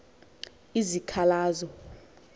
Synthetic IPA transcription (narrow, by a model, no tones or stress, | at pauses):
izikʰalaːzɔ